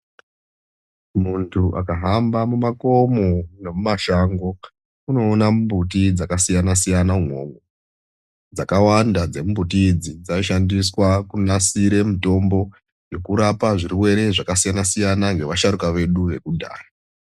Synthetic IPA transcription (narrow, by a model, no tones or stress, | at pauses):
muntʰuʔa̰kaɦambamumako̞mono̞mumaʃaŋɡo̞ | uno̞ːnambut̬id͡zakasijanasijanauŋwo̞̰ŋo | d͡zakawandad͡ze̞mumbutid͡zid͡zaoʃandiswakunasiɾe̞mito̞mbo̞ | jo̞kuɾapaʐiriwe̞ɾe̞ʐakasijanasijanaŋɡe̞ʋaʃaɾukaʋe̞ɗuʋe̞kudʱa̰ːra